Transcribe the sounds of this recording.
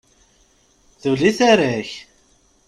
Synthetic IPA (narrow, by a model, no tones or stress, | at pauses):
θuliθaɾæç